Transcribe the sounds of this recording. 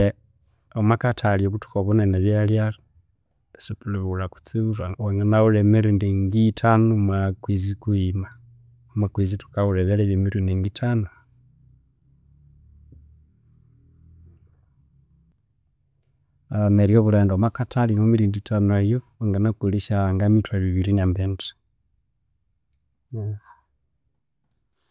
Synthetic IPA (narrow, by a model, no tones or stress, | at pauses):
e | omakatʰalioβutu̥koβuneneβaljali | supuleβulaku̥t͡siβuɾaweŋɡanaulemiɾindiŋɡitʰanumakwizikuima | makwizitu̥kauleβeleβimiɾindiŋɡitʰanu | ameɾjoβuɾeːndomakatʰalinomiɾinditʰanuajo | eŋɡanakuliʃaŋɡamitwaβiβiɾinambente̥